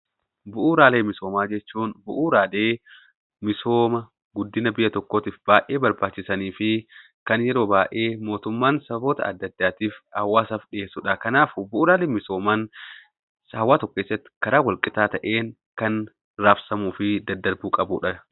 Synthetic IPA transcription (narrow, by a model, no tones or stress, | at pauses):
bʊʔuːɾaːleːmɪso̞ːmaːd͡ʒɛt͡ʃːuːnbʊʔuːɾaːleː | mɪso̞ːmɐ | ɡʊd̪ːɪnɐbɪjɐt̪ɔkːoːt̪iːfbaːʔeːbɐɾbaːt͡ʃːɪsɐniːfɪ | kɐnjɛɾo̞ːbaːʔe̞ːmo̞ːt̪ʊmːaːnsɐbo̞ːt̪ɐ̰ɐ̰d̪ːɐd̪ːaːt̪iːfhɐwːaːsɐfᶑɪʔeːsʊᶑɐkɐnaːfʊbʊʔuːɾaːleːmɪso̞ːmaːn | shɐwːaːt̪ɔkːeːsːɐt̪ːɪ̥kɐɾaːwɐlkʼɪt̪aːt̪ɐʔe̞ːŋ | kɐn | ɾaːfsɐmuːfɪd̪ɐd̪ːɐɾbuːkʼɐbuːᶑɐ